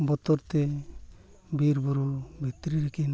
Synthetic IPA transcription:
bɔt̪ɔɾt̪e | biɾbɔɾubʱit̪ɾiɾɛkin

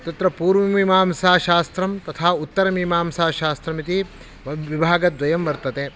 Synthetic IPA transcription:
t̪ɐt̪ɾɐpuːɾʋɐmimaːmsaːʃaːst̪ɾɐmt̪ɐt̪ʰaːut̪ːɐɾɐmimaːmsaːʃaːst̪ɾɐmit̪i | ʋɐʋibʱaːɡɐd̪ʋɐjɐmʋɐɾt̪ɐt̪eː

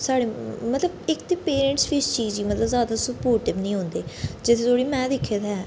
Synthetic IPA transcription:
saːɽeːmət̪ləbɪkt̪eːpeːɾɛ̃ɳʈsʋɪst͡ʃiːzɡiːmət̪ləbzaːd̪aːsəpoːɾʈɪbnĩːɦõːnd̪eːd͡ʒɪt̪ʰẽːt̪ʰoːɽiːmɛ̃ːd̪ɪkʰːeːd̪ɦɛ

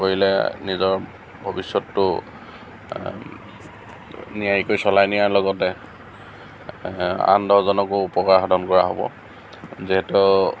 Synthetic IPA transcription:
oɹilɛ̰nizɔɹ | bʱɔbisjɔtːʊ | nijajikojsɔlajnijaɹlɔɡɔtɛ | a̰ndɔɦzɔnɔkʊupɔkaɹxʰɔdʱɔnkɔɹaɦo̰bɔ̰ | ziɦɛtu

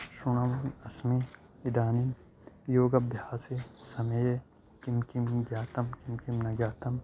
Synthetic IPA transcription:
sunɐmnɐsmi | id̪aːnim | joːɡɐbjaːsisɐmeje | kimkimɡjaːt̪ɐmkimkimnɐɡjaːt̪ɐm

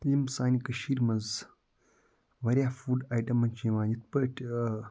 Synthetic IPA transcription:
limsaːnikɐʃiːɾmɐz | ʋɐɾʲjaːfuːɖaːjʈɐmːɐnt͡ʃiʋãːɲit̪̚pəʈʰ

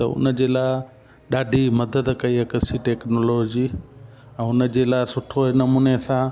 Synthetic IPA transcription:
t̪ɐ̰ʊ̰nə̆d͡ʑeːlaːɪ | ɗaːɖʱimɐd̪əd̪kɐiɐkɪsiʈeːknoːloːd͡ʑiː | ɛ̃ːʊnəd͡ʑeːlaːɪsʊʈʰonɐmuːnesãː

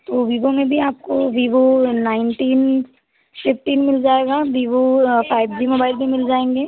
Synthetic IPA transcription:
t̪oːʋiːbomẽbʱiaːp̚koʋiːbonaːɪnʈiːn | pʰɪfʈiːnmɪld͡ʒaːeːɡabiːbopʰaːɪbʱd͡ʒimoːbaːɪlbʱimɪld͡ʒaːẽːŋɡeː

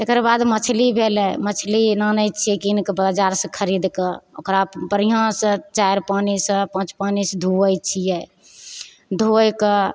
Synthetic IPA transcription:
t̪ekɾbad̪mət͡ʃʰlibʱelɛmət͡ʃʰlinanəjt͡ʃʰiɛkinkbad͡ʒaɾsə̃kʰəɾid̪kəokɾapəɾiɦãsət͡ʃajɾpanisəpãt͡ʃpanisd̪ʱuəjt͡ʃʰijɛ | d̪ʱoəjkə

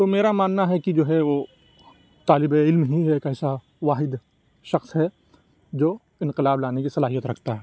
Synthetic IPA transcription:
t̪omeːɾamaːnːaɦɛkid͡ʒoːɦɛʋoː | t̪aːlɪbeɪlmɦiɦɛeːkɛːsa | ʋaːɦɪd̪ | ʃɐxsɦɛ | d͡ʒoː | ɪ̃nqɪlaːblaːnekisɐlaːɦijət̪ɾɐkʰt̪aɦɛː

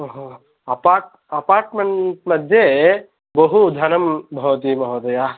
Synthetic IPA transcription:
ɦ | ɐpaːʈ̚ | ɐpaːɾʈmeɳʈmɐd̪ʱje | bɐɦud̪ʱɐnɐmbʱɐʋɐt̪imɐʋɐd̪ɐja

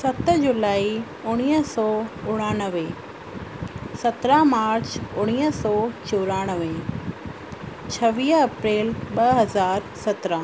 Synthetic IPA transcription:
sɐt̪d͡ʑʊlaːi | ʊɽ̃iːɦəsɔːʊɽ̃aːnəʋe | sɐt̪ɾamaːɾt͡ɕʊɽ̃iːəsɔːt͡ɕoːɾaːɽ̃əʋe | t͡ɕʰɐʋiːɦɐpɾeːlɓɐɦɐzaːɾsɐt̪ɾə

